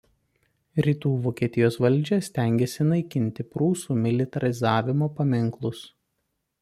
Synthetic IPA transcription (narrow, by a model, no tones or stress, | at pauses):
ɾʲiːt̪uːʋoːkʲiɛt̪ʲɪjoːsʋɐlʲˑd͡ʒʲɛsʲt̪ʲæŋʲɡʲesʲɪnɐɪkʲɪnʲt̪ʲɪpɾuːsuːmʲɪlʲɪt̪ɐɾʲɪzɑːʋʲɪmoːpɐmʲɪŋklˠʊs